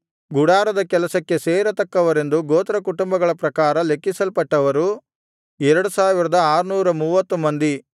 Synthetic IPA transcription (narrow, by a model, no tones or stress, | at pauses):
ɡuɽaːɾɐd̪ɐkɛlɐsɐkːe̞seːɾɐt̪ɐkːɐʋɐɾe̞nd̪uɡoːt̪ɾɐkuʈumbɐɡɐɭɐpɾɐkaːɾɐle̞kːisɐlpɐʈːɐʋɐɾu | ɛɾɐɽusaːʋiɾɐd̪ɐaːɾunuːɾɐmuːʋɐt̪ːumɐnd̪i